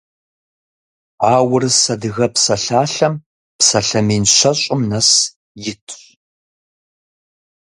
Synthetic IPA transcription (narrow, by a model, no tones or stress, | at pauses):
aːwʊrɨsɐdɨɣɐpsɐɬaːɬɐm | psɐɬɐmiːnɕɐɕʼɪmnɐs | jɪtʰɕ